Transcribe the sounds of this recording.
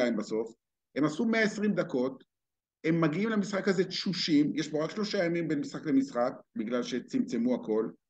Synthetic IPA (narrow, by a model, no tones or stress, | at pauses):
aimbaso̞f | e̞masumeaesʁimd̪ako̞t̪ | e̞mːaɡiimlemisχakazetʃuʃimjeʃbo̞ʁakʃlo̞ʃajamimbenmisχakle̞misχak̚biɡlalʃe̞t͡simt͡semuako̞l